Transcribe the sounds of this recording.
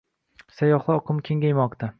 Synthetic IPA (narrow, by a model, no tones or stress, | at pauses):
sajɒχlˠɨɒqʰɨmkʲʰe̞ŋɡʲajmɒqt̪ʰa